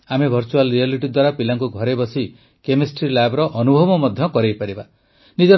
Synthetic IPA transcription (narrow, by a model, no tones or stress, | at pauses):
amebʱɔɾt͡ʃualɾialiʈid̪waɾapilaŋkuɡʱɔɾebɔsi | kemesʈɾilabɾɔʔɔnubʱɔbɔmɔd̪ʱjɔkɔɾejpaɾiba | nid͡ʒɔ